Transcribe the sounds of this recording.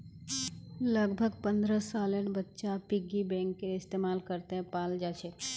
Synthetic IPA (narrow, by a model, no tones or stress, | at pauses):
ləɡbʱəɡpə̃nd̪ɾəsaːlənbətːʃapɪɡibɛ̃ːŋkːeɪst̪eːmaːlkəɾt̪eɦɛ̃paːld͡ʒaːt͡ʃʰe